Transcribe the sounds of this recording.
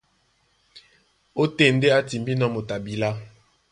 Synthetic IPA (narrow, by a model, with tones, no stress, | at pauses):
o˦te˦˨n˦de˦a˦ti˨mbi˦nɔ˦mo˨ta˨bi˨la˦